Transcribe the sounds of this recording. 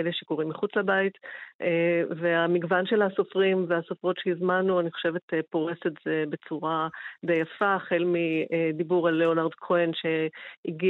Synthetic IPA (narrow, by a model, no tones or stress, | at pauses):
eleʃekoʁimːiχut͡slabaiteveamiɡvanʃelhaso̞fʁimveasofʁo̞tʃejizmanuaniχoʃevetepo̞ʁesetz̥ebe̞t͡suʁad̪ejafaχelmidibuʁalːeonaʁdkʰoenʃeiɡi